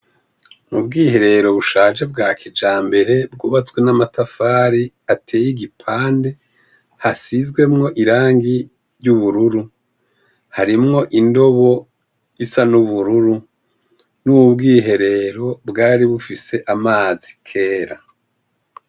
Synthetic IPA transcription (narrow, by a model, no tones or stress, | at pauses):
mubɡiːhe̞ɾe̞ɾo̞βuʃaːʒebɡaːkʰid͡ʒaːmbe̞ɾe̞bɡuːβat͡swe̞namatafaːɾi | atʰe̞ːjiɡipʰaːnde̞ | hasizɡwe̞mŋo̞ʔiɾaːŋɡi | ɾɟuβuɾuɾu | haɾimŋo̞ʔindo̞βo̞ | isanuβuɾuɾu | nuːβubɡiːɦe̞ɾe̞ɾo̞bɡaːɾiβufise̞ʔamaːzi̥kʰe̞ːɾa